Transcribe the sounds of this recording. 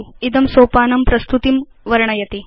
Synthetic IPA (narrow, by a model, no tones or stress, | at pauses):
id̪ɐmsoːpaːnɐmpɾɐst̪ut̪im | ʋɐɾɳɐjɐt̪i